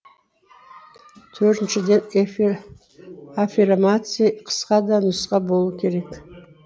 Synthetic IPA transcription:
t̪ʰɵɾt̪ɪnʃɪd̪e̞n | afʲirmat̪sɨjqʰə̥sqɑd̪ɑnʊsqɑbolˠuukʲʰe̞ɾe̞k

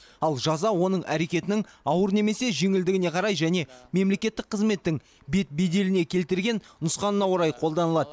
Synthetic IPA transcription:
ɑlˠʒɑzɑwo̞nəɴæ̰ɾe̞kʲe̞t̪ɪnɪŋɑwəɾne̞me̞se̞ʒe̞ŋɪld̪ɪɡʲɪne̞qʰɑɾɑjʒæne̞me̞mle̞kʲe̞t̪ːɪk̚qʰəzme̞t̪ːɪŋ | be̞t̪̚be̞d̪e̞lɪne̞kʲʰe̞lt̪ɪɾɡʲe̞nnʊsqɑnənɑwoɾɑjqʰo̞lˠd̪ɑnəlˠɑd̪ə

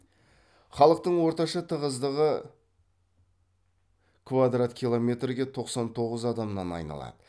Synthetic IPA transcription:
χɑlˠəq̚t̪əɴwo̞ɾt̪ɑʃɑt̪ʰəʁəzd̪əʁə | kʰvad̪rat̪kʰʲijlˠo̞mʲe̞t̪rɡʲe̞t̪ʰo̞qsɑnt̪ʰo̞ʁəzɑd̪ɑmənɑnɑ̰jnɑ̰lˠɑ̰d̪ə

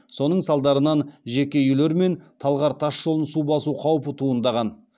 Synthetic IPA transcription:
so̞nəɴsɑlˠd̪ɑɾənɑnʒekʲejʏjle̞ɾme̞nt̪ʰɑlˠʁɑɾt̪ʰɑʃʒo̞lənsubɑsuqʰɑwpət̪ʰuənd̪ɑʁɑn

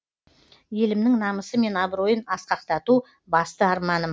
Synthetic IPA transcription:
je̞lɪmnɪŋnɑməsəme̞nɑbɾo̞jənɑsqɑqt̪ɑt̪u | bɑst̪əɑɾmɑnə

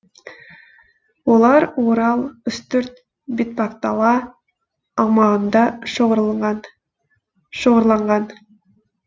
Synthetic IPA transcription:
wo̞lˠɑɾwoɾɑlˠʏst̪ɵɾt̪̚ | bet̪̚pɑkt̪ɑlˠɑː | ʁmɑʁənd̪ɑ | ʃoʁəɾlˠɑɴʁɑn

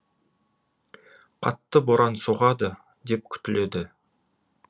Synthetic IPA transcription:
qʰɑ̰t̪ːəboɾɑnsoʁɑd̪ə | d̪e̞p̚kʲʰʏ̥t̪ɪle̞d̪ɪ

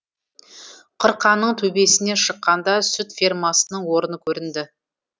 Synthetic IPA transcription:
qʰəɾqɑnːəɴt̪ʰɵbe̞sɪne̞ʃəqːɑnd̪ɑsʏt̪firmɑsənəɴwo̞ɾənəkʲʰɵɾɪnd̪ɪ

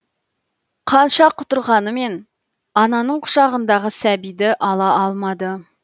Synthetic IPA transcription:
qʰɑnʃɑqʰʊt̪ʊɾʁɑnəme̞n | ɑnɑnəɴqʰʊ̥ʃɑʁənd̪ɑʁəsæbijd̪ɪʔɑlˠɑʔɑlˠmɑd̪ə

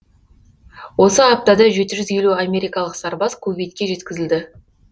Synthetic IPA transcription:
wo̞səap̚t̪ad̪ɑʒe̞t̪ɪʒʏzje̞luamʲe̞ɾijkɑlˠəqsɑɾbɑskʰɵbijt̪kʲe̞ʒe̞t̪kʲɪzɪld̪ɪ

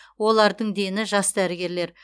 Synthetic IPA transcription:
wo̞lˠɑɾd̪əɴd̪e̞nɪʒɑsd̪æɾɪɡʲe̞ɾle̞ɾ

